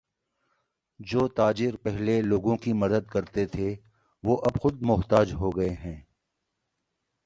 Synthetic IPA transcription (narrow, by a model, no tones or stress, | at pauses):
d͡ʒoːt̪aːd͡ʒɪɾpɛɦleloːɡõkimɐd̪əd̪̚kɐɾt̪et̪ʰe | ʋoːʔɐbxʊd̪̚mʊɦt̪aːd͡ʒɦoːɡɐeɦɛ̃ː